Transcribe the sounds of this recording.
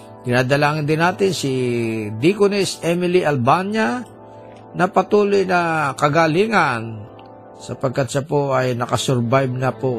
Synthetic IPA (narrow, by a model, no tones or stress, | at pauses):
d̪̥ɪnaːd̪ɐlaːŋɪnd̪ɪnaːt̪ɪnsɪd̪ikʊnɪsʔɛmɪliʔɐlbanja | nɐpɐt̪uːlʊjnɐkɐɡaliŋan | sɐpɐɡ̚kat̪̚ʃapoʔɐjnɐkɐsɛɾbajb̚nɐpo